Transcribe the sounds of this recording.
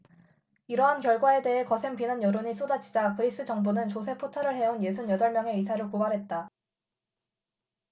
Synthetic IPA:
iɾʌɦankjʌɭɡwae̞de̞ɦe̞kʌsʰe̞ŋpinanjʌɾoɲis͈odat͡ɕʰi̥d͡ʑakɯɾis͈ɯt͡ɕʌŋbonɯnt͡ɕos̬ʰe̞pʰotʰaɾɯɭɦe̞onje̞s̬ʰunjʌdʌɭmjʌŋe̞is̬ʰaɾɯɭkobaɾɦe̞t̚t͈a

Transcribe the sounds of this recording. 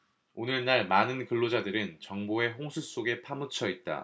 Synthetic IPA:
onɯɭnaɭmanɯnkɯɭːod͡ʑadɯɾɯnt͡ɕʌŋboe̞ɦoŋsʰus͈oɡe̞pʰamɯt͡ɕʰʌit̚t͈a̰

